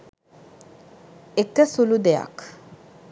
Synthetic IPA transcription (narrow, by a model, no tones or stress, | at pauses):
ekəsulud̪eja̰k